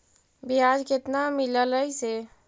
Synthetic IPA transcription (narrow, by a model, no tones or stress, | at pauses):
biɦad͡ʒket̪namilələjse